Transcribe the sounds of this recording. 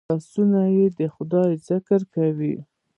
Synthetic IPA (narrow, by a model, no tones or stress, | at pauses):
ɑsunajed̪əxʊd̪ɑjzɪkəɾkawḭ